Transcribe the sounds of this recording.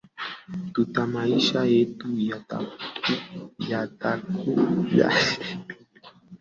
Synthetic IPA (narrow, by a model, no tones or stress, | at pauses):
t̪ut̪amaiʃaet̪ujat̪a̰ujat̪akʰuʎa̰